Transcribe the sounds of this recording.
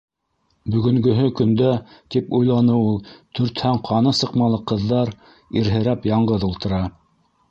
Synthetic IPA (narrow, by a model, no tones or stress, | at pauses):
bɵ̆ɡɵ̆ŋɡɵ̆ɦɵkɵ̆nd̪æt̪ipujlˠɑnɤulˠt̪ʰɵ̆ɾt̪hæɴqʰɑnɤsɤ̆qmɑlˠɤqɤ̆ðːɑɾ | iɾɦɘ̆ɾæpjɑɴɢɤðulˠt̪ɤ̆ɾɑ